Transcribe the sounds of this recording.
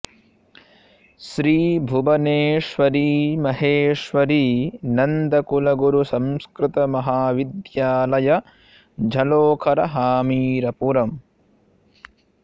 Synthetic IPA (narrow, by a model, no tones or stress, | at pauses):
ʃɾiːbʱubɐneːʂʋɐɾiːmɐɦeːʂʋɐɾiːnɐnd̪ɐkulɐɡuɾusɐ̃mskɾɪt̪ɐmɐɦaːʋid̪jaːlɐjɐ | d͡ʒʱɐloːkʰɐɾɐɦaːmiːɾɐpuɾɐm